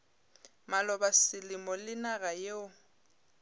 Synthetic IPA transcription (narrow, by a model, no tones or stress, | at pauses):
malɔbasɪlɪmɔlɪnaɣajeʊ